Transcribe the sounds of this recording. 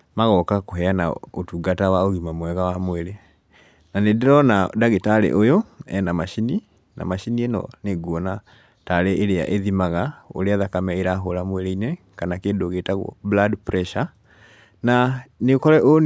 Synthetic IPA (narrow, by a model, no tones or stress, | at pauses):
maɣɔkakoɦɛanaotuɡatawaoɣimamwɛɣawamweɾe | nanedeɾɔnadaɣetaɾḛʔojoɛ̰namaʃini | na̰maʃinienɔ̰neɡuɔna | taɾeʔːɾeja̰ʔeðimaɣao̰ɾeaðakamɛeɾaɦoɾamweɾeinɛ | kanakeːndoɣetaɣwɔ̰bladpɾɛʃa | nanekɔɾɛʔo